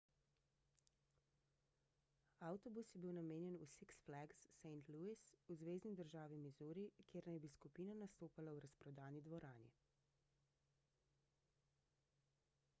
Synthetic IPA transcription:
awt̪ɔbusjɛbiwnameːnjɛnusiksflaɡsːɛjnt̪luisuzʋeːznizd̪əɾʒaːʋimizuːɾikjeːɾnajbiskupiːnanast̪oːpalawɾaspɾɔd̪aːnid̪ʋɔɾaːnḭ

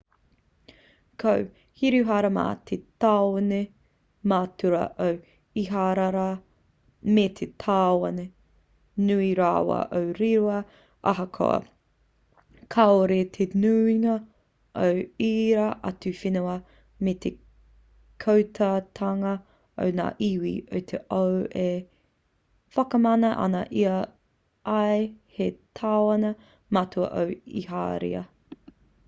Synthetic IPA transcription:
kʰow | hiɾuɦaːɾɐma̰ːt̪ʰetaːwone | maːtuɾɐ̰ʔow | iɦaːɾaɾa | met̪ʰet̪ʰaːwɐne | nuiɾaːwɐ̰ʔowɾiɾoɐ | ʔɐ̰ɦɐkʰo̰ɐ̰ | kʰaoɾet̪ʰenuiŋɐ | ʔowiːɾaʔɐ̰tufinuɐ | met̪ʰe | kʰowtʰatʰɐŋɐ | o̰wna̰ːʔiwḭowt̪ʰeʔowe | fɐkɐmɐnɐʔɐ̰nɐʔiɐ | ʔɐjhetʰawɐnɐ | mɐtʰuɐ̰ʔowḭɦa̰ːɾḭɐ̰

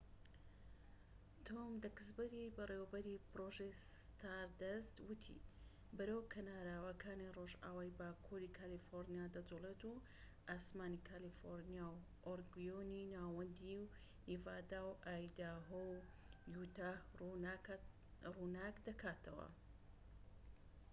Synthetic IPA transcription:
t̪ʰomd̪ɐkɨsbɐɾibɐreːwɐbɐɾipɨɾoʒejs | t̪ʰaːɾd̪ɐst̪wɨt̪ʰḭ | bɐɾəwkʰɐnaːɾaːwɐkʰaːniroʒa̰ːwaːjbaːkʰuɾikʰalifoɾnijad̪ɐd͡ʒulet̪u | ʔaːsmaːnikʰaːlifoɾnijaːw | ʔoɾɡjoninaːwɐnd̪iw | ivaːd̪aːwʔaːjd̪aːɦow | jut̪aː | runaːkd̪ɐkʰaːt̪ʰɐwɐ̰

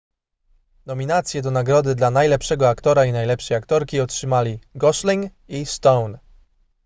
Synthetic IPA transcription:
nɔmʲinat̪sʲjɛd̪ɔnaɡɾɔd̪ɘd̪lanajlɛpʂɛɡɔakt̪ɔɾainajlɛpʂɛjakt̪ɔɾkʲiɔtʂɘmalʲiɡɔʂlʲiŋ | ist̪ɔwn

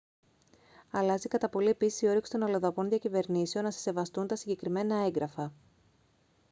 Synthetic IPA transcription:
ɐlɐzikɐt̪ɐpo̞lie̞pisi̥sio̞ɾeksi̥t̪o̞nɐloðɐpo̞nðʝɐcive̞ɾnise̞o̞nːɐse̥se̞vɐst̪unt̪ɐsiɲɟekɾime̞nɐe̞ŋɡɾɐfɐ

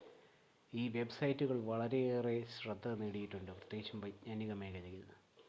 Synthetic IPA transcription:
iːʋe̞bsɐjtːuɣɐɭʋɐɭɐɾe̞eːre̞ɕrɐd̪ːɐneːɽijiʈːuɳɖɨprɐt̪ːjet͡ɕːɐmpɐɲɐniɣɐmeːkɐjɐjunːɨ

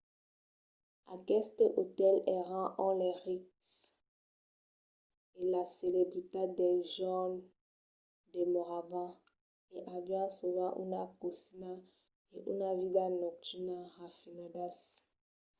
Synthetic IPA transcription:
a̰kɛst̪eʔot̪ɛlɛʁãʔɔ̃lɛʁik | elaselebʁit̪ed̪ɛʒɔn | demoʁavã | eʔabjãsovaʔṵnakosina | eʔṵnavidanɔk̚tynaʁafinãdas

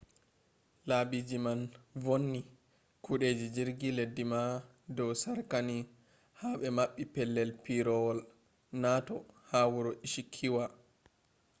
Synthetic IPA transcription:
labid͡ʒimanvonːi | kuɗeːd͡ʒid͡ʒiɾɡiledːima | dɔwsaɾkani | haɓɛmaɓːipɛlːɛlpiɾɔwɔl | natɔhawuɾɔʔiʃikʰːiwa

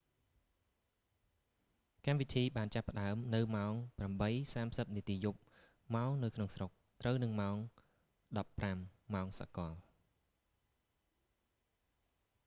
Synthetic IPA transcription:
kamʋit̪ʰiːɓaːnt͡ɕapːə̆ɗaəmnɨwmaɔŋpramɓəjsaːmsəp̚niət̪iːjup̚ | maɔŋnɨwkʰnoŋsrok̚t̪rəwnɨŋmaɔŋ | ɗɑpːramːaɔŋsa̰kɑ̆əl

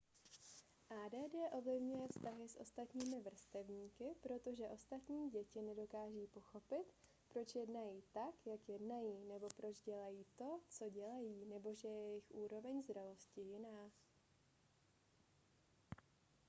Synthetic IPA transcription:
ʔaːdɛːdɛːʔo̞vlɪvɲujɛfst̪aɦɪsʔo̞̰st̪at̪ɲiːmɪvr̩st̪ɛvɲiːkɪpɾo̞t̪o̞ʒɛʔo̞st̪at̪ɲiːɟɛcɪnɛdo̞kaːʒiːpo̞xo̞pɪt̪ | pɾo̞t͡ʃjɛdnajiːt̪akjakjɛdnajiːnɛbo̞pɾo̞t͡ʃɟɛlajiːt̪o̞t͡so̞ɟɛlajiːnɛbo̞ʒɛjɛɛjɪxʔuːɾo̞vɛɲzd̪ɾalo̞scɪjɪnaː

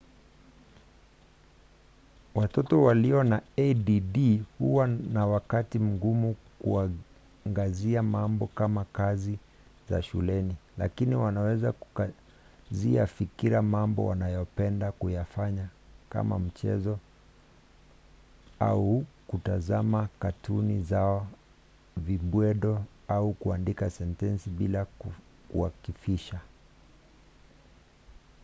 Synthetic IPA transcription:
watɔtɔwaliɔnaɛdiɗihuwanawakatim̩ɡumukua | ŋɡaziamambɔkamakazi | za̰ʃṵlɛnila̰kiniwanawɛzaku̥ka | zia̰fikiɾamambɔ̰wa̰najɔpɛndakujafaɲaka̰ma̰m̩t͡ʃɛ̰zɔ | aukutazamakatunizaɔ | viɓwɛɗɔaukuandikasɛntɛnsiɓilak | kuwakifiʃa

